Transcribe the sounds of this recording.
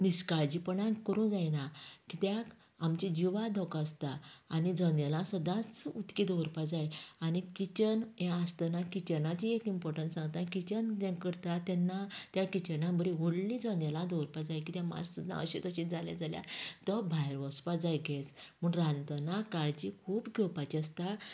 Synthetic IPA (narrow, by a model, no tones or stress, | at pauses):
niskaɾd͡ʑipəɳakəɾũd͡zajnakit̪jak | amt͡ɕid͡ʑiʋad̪ʱɔkast̪aːnid͡zənjəlãsəd̪ãt͡sut̪kid̪ɔwɾpad͡zajanikit͡ɕənjaːst̪ənakit͡ɕənat͡ɕiekimpɔɾʈəntsãŋɡt̪akit͡ɕənd͡ʑɛ̃kəɾt̪at̪ɛnːat̪jakit͡ɕənãbəɾiʋoɽlid͡zɔnjəlãd̪ɔwɾpad͡zajkit̪jãma̰d͡zsud̪ʱːã̰əɕet̪əɕĩd͡zʱalja̰d͡zalja̰t̪əbʱajɾʋɔspad͡zajɡʱesməɳɾãnt̪ənakaɽd͡ʑikʰuːpɡʱewpat͡ɕiəst̪a